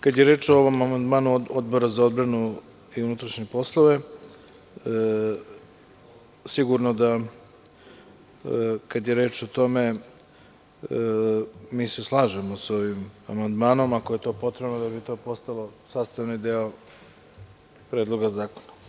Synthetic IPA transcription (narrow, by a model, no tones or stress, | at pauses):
kad̪jeɾeːt͡ʃooʋo̞mamand̪maːnuod̪̚bo̞ɾazao̞d̪̚bɾanu | iunut̪ɾaʃɲepo̞slˠo̞ʋe̞ | siɡuɾno̞d̪a | kad̪je̞ɾe̞ːt͡ʃot̪o̞me̞ | miːse̞slˠaːʒemo̞so̞ʋimamand̪maːno̞makoje̞t̪o̞ːpo̞t̪ɾe̞bnod̪abit̪o̞ːpo̞st̪alo̞saːst̪aʋnid̪eo | pɾed̪lˠo̞ɡazaːko̥nḁ